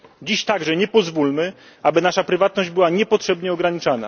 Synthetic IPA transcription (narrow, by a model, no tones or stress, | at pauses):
d͡ʑiɕt̪aɡʐɛɲɛpɔzvulmɘ | abɘnaʂapɾɘvat̪̚nɔʑd͡ʑbɘwaɲɛpɔtʂɛbɲɛɔɡɾaɲit͡ʂana̰